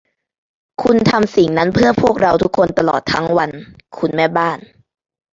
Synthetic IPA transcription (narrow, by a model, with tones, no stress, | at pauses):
kʰu˧nt̪ʰa˧msi˨˩˦ŋna˦˥npʰɯ˥˩əpʰu˥˩ək̚ɾa˧wt̪ʰu˦˥kʰːo˧nt̪a˧lɔ̰ː˨˩t̪ʰːa˦˥ŋwa˧n | kʰu˧nmɛː˥˩baː˥˩n